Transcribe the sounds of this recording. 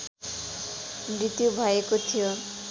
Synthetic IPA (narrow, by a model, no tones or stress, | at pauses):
bɾit̪iobʱajekot̪ʰijo